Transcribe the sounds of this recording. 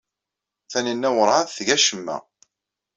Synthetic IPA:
θænənːæwəɾˤaðθʝæʃəmːæ̰

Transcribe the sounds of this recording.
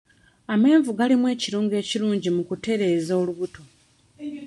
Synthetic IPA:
ame̞ːɱvuɡalimwe̞ːciɾuːŋɡe̞ːciɾuːɲɟimukute̞ɾe̞ːzoːluβuto̞

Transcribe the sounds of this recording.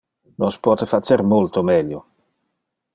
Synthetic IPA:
nospwɔːt̪efat͡ʃeɾmolt̪omɛljo

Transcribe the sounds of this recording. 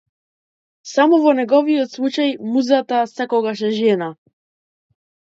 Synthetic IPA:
samɔvɔnɛɡɔvijɔt̪slˠut͡ʃajmuzat̪asɛkɔɡaʃɛʒɛna

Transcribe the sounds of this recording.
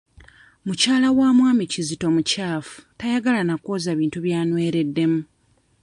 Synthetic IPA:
mucaːlawaːmwaːmicizito̞mucaːfu̥tajaɡalanakoːzaβiːntuβjaːnwe̞ːɾe̞dːe̞mu

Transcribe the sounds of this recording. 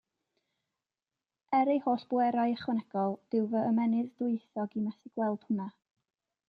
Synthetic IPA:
ɛɾejhoːɬb̥ʊɛɾajəχwɛnɛɡ̥ɔlˠd̥ɪwvəəmɛnɨðdʊɨθɔɡimasɪɡ̥wɛlˠd̥hʊna

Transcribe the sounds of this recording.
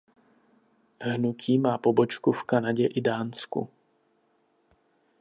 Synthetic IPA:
ɦnucʰiːmaːpobɔt͡ʃkufkanaɟɛʔɪdaːnskṵ

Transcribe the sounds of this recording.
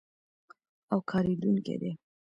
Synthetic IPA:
awkʰɑɾed̪uŋkḛd̪e

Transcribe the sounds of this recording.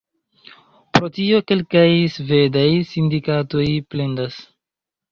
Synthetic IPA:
pɾo̞tio̞ke̞lkajsve̞dajsindikato̞jple̞ndas

